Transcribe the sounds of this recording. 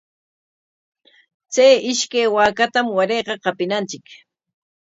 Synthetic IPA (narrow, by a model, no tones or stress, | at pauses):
t͡sajɪʃkajwaːkat̪amwaɾejqɑqɑpɪnant͡ʃɪk